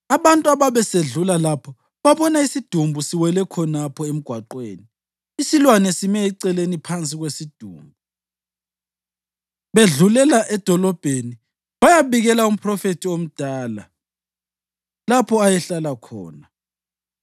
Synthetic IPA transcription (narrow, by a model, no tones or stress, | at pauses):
aβantʼuaβaβɛseɮulalapʰɔ | βaβɔnaisid̥ʱumbʱusiwɛlɛkʰɔnapʰɔem̩ɡ̥ʱwaǃwḛːni | isilwanɛsimɛiǀɛlenipʰant͡sʼiɣwesid̥ʱṵːmbʱu | βeɮulɛlaʔɛd̥ʱɔlɔb̥ʱeni | βajaβiɣɛlaum̩pʰrɔfetʰiom̩d̥ʱaːla̰ | lapʰɔajɛɬalakʰɔ̰ːna